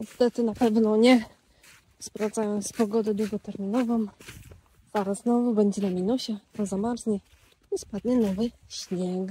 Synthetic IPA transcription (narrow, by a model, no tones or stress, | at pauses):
ɲɛst̪ɛt̪ɘnapɛvnɔɲɛ | spɾavd̪ajɔ̃w̃spɔɡɔd̪ɛd̪wuɡɔt̪ɛɾmʲinɔvɔ̃m | z̥aɾazznɔvubɛɲd͡ʑɛnamʲinuɕɛazamaɾzɲɛ | ispad̪ɲɛnɔvɘ | ɕɲɛk